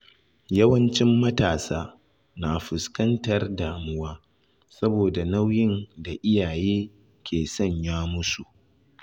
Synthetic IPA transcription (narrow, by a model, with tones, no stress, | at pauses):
jɐ˦wɐ˦nt͡ʃɪ˦mːɐ˦taː˨saː˦ | naː˨ɸʊ˨skɐ˦ntɐ˦rdaː˨mʊ˦waː˦ | sɐ˦boː˨da˨na˦wjɪ˦nda˨ʔɪ˦jaː˨jeː˦ | kʲʰeː˨sɔ˦˨ɲjaː˦mʊ˦su˨ʔ